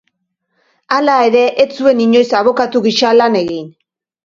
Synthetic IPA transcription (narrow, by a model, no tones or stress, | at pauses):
alae̞ɾe̞ʔet͡sue̞niɲo̞jsaβ̞o̞kat̪uɣiʃalane̞ɣin